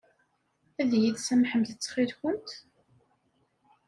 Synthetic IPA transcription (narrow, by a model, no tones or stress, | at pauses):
æðjiðsæmħəmðət͡sːχiðkʷʊnt̪